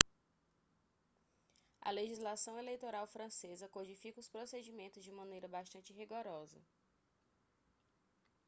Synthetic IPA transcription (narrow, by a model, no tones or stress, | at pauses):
ɐ̰leʒizlasɐ̃w̃elejt̪oɾawfɾɐ̃sezɐkod͡ʒifikɐʊspɾosed͡ʒimẽnt̪ʊzd͡ʒɪmɐ̃nejɾɐbaʃt̪ɐ̃nt͡ʃɪɦiɡoɾɔzɐ̰